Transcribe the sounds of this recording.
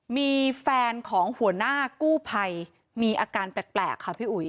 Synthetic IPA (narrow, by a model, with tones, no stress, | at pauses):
miː˧fɛː˧nkʰɔː˩˦ŋhu˩˦ənaː˥˩kuː˥˩pʰa˧j | miː˧ʔaː˧kaː˧npɛː˨˩t̪̚plɛ̰ː˨˩kʰːa˦˥pʰiː˥˩ʔu˨˩˦j